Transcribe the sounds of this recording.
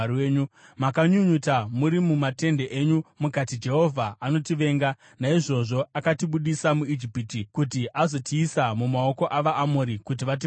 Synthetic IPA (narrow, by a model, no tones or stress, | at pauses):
eːɲumakaɲuɲutamuɾimumate̞nde̞ʔeɲumukatid͡ʒe̞ɦo̞vʱaʔano̞tiʋe̞ːŋɡa | naiʐo̞ʐo̞akatiɓuɗisamuid͡ʒipitikutiʔazo̞tʰiːsamumao̞ko̞ʔaʋaʔamoːɾikut̬iʋat̬i